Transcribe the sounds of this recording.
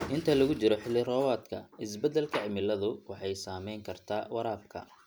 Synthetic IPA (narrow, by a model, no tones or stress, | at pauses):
ʔɪnt̪ʰɐlɐɣʊt͡ʃɪɾɔħɪlːɪrɔːwaːd̪kʰɐ̰ɪsbɛd̪ɛlkʰɐʕɪmɪlːɐðʊwɑħɑjsaːmɛjŋkʰɐrt̪ʰaːwɐɾaːb̚kʰɐ̰